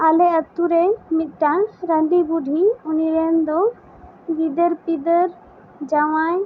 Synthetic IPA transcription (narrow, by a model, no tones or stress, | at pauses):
alɛɐt̪ːuɾɛmit̪̚ˀʈanɾəɖibuɖʱiuniɾɛnd̪ɔ | ɡid̪əɾpid̪əɾ | d͡ʒawaj